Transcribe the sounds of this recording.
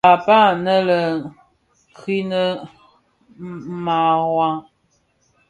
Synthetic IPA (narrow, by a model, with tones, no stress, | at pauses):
a˨pa˦nə˦lə˨ | kʰi˦nə˦ | ma˨ɣwa˦ŋ